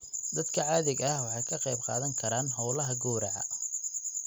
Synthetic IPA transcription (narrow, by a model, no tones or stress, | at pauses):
d̪ɐd̪kʰɐʕɑːðɪɡɐhwɑħɑjkʰɐqɑjb̚qɑ̰ːðɐŋkʰɐɾaːnɦɔwlɐɦɐɡuːɾɐʕɑ̰